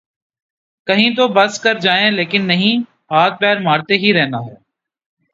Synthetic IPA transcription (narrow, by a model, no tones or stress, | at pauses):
kɐɦĩt̪obɐskɐɾd͡ʒaːẽːleːkɪnːɐɦĩː | paːt̪̚pɛːɾmaːɾt̪eɦiɾɛɦnaːɦɛː